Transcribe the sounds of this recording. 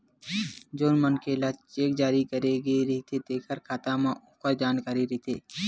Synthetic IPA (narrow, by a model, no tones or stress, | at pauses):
d͡ʒoːnmənkelat͡ʃeːk̚d͡ʒaːɾikəɾeɡeɾɦit̪ʰed̪eːkʰəɾkʰaːt̪amãʊpəɾd͡ʒaːnkaːɾiɾɪit̪ʰeː